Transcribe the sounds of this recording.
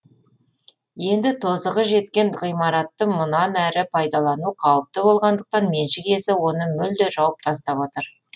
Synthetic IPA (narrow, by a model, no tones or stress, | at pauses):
je̞nd̪ɪt̪ʰo̞zəʁəʒe̞t̪kʲe̞nʁijmɑɾɑt̪ːəmʊnɑnæɾɪpʰɑjd̪ɑlˠɑnuqʰɑwəp̚t̪əbo̞lˠʁɑnd̪əq̚t̪ɑnme̞nʃɪkʲe̞sɪwo̞nəmʏld̪eʒɑwəp̚t̪ʰɑst̪ɑpwo̞t̪əɾ